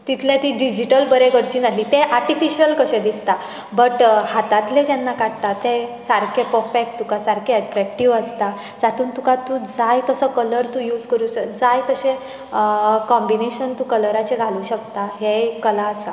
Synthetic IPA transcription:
t̪it̪ʰlẽt̪iːɖid͡ʑiʈəlbəɾeɡəɽt͡ɕiːnaliːt̪eʔaɾʈifiɕəlkəɕẽd̪ist̪a | bəʈhat̪at̪led͡ʑɛnːakaɽt̪at̪esaɾkʰepəfek̚ʈt̪ukasaɾkʰeːʈɾɛk̚ʈiʋəst̪a | d͡zat̪uːnt̪ukat̪ud͡zajt̪əsəkələɾt̪ũːjuːd͡zkəɾuːɕəd͡zajt̪əɕẽ | kɔmbineɕənt̪uːkələɾat͡ɕeɡʱaluːɕəkt̪aɦekəlaəsa

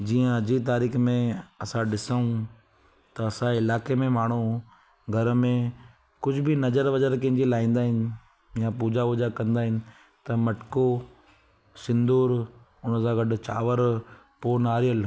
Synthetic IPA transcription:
d͡ʑiːə̃ɐd͡ʑit̪̬aːɾiːxmẽɐsãɗɪsəũ | t̪ɐɐsãɪlaːkemẽmaːɳ̤̃u | ɡʱɐɾmẽ | kʊd͡ʑʱʊbɪnɐd͡ʑəɾʋɐd͡ʒəɾkɐ̃ɦɪ̃ɲd͡ʑilaːĩːn̆d̪aːɦɪnɪ̆ | japuːd͡ʑaʋʊd͡ʒakɐ̃nd̪aːɦɪnɪ̆ | t̪ɐmɐʈko | sɪ̃nd̪uːɾ | ʊnəsãɡɐɖʊ̆t͡ɕa̰ːʋəɾ | poːnaːɾijəl

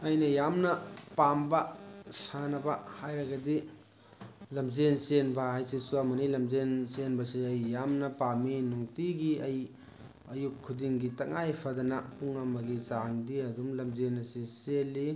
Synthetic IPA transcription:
ɐjnɐjamnɐpambɐsanɐbɐhajɾɐɡɐdi | lɐmzensenbɐɦajsisuɐmɐnilɐmzensenbɐsiɐjːamnɐpaminuŋtiɡiɐj | ɐjukʰːudiŋɡitɐŋajpʰɐdɐnapuŋɐmɐɡisaŋdiɐdumlɐmzenɐsiselːi

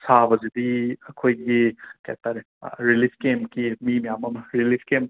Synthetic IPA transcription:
sabɐzid̪iɐkʰojɡikaja̰k̚t̪aɾe | ɾilipʰkemkimimɐjamɐmɐɾilipkem

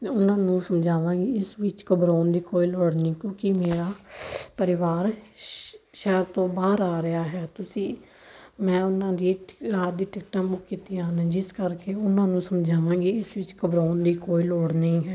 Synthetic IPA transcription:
ʊnãːnũːsəmd͡ʒaːʋãːɡiːɪsʋɪt͡ʃkəbɾoːnd̪iːkoːiːloːɽnĩːkõːkɪmeːɾaːpəɾɪʋaːɾ | ʃɛːɾt̪õːbaːɾaːɾɪaːɦɛːt̪ʊsĩː | mɛ̃ːʊnãːd̪iːɾaːd̪iːʈɪkʈãːbʊkːkiːt̪iːãːnːd͡ʒɪskəɾkeːʊnãːnũːsəmd͡ʒaːʋãːɡiːɪsʋɪt͡ʃkəbɾoːnd̪iːkoːiːloːɽnĩːɦɛː

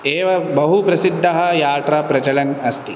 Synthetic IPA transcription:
eːʋɐbɐɦupɾɐsid̪ʱːɐɦɐ̆jaːʈɾɐpɾɐt͡ʃɐlɐnɐst̪i

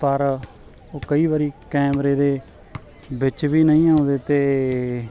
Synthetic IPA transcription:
pəɾ | oːkəiːbaːɾiːkɛːmɾeːd̪eː | bɪt͡ʃbiːnəĩːãːʊ̃d̪eːt̪eː

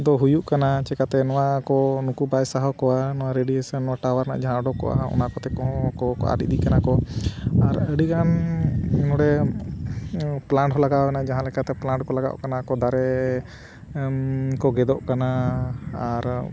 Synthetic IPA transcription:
d̪ɔɦujuʔkanat͡ʃɛkat̪ɛnɔwakɔnukubajsaɦɔkɔwanɔwaɾeɖiesanːɔwaʈawaɾna̰ʔd͡ʒaɦãɔɖɔkɔ̰ʔa̰aɔ̰nakɔt̪ɛkɔ̃ɦɔ̃kɔkɔ̰ʔa̰ɖḭʔd̪ikanakɔaɾəɖikan | nɔɽɛ | plaɳʈɦɔlaɡawɛnad͡ʒaɦãlɛkat̪ɛplaɳʈkɔlaɡa̰ʔkanakɔd̪aɾɛ | kɔɡɛd̪ɔʔkanaː | ɾ

